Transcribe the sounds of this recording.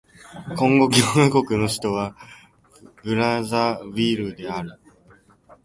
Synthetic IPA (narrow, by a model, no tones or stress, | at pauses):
kõ̞ŋɡo̞ɡʲionako̞kɯ̟no̞ɕi̥t̪o̞β̞a | bɯ̟ɾazaβiɾɯ̟d̪e̞aɾɯ̟